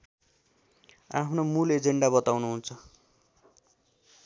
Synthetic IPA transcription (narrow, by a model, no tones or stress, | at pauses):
a̰pʰnomuled͡zeɳɖabʌt̪awnuɦunt͡sʰʌ